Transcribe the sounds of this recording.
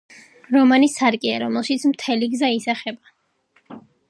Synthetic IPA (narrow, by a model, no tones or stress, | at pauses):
ɾɔmanisaɾkʼia̰ɾɔmɛlˠʃit̪sʰmt̪ʰɛliɡzaisaχɛba